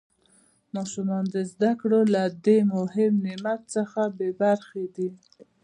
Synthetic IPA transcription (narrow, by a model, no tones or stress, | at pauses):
mɑʃumɑnd̪əzd̪akɽolad̪emʊɦɪmnɪmat̪səxabebaɾxed̪i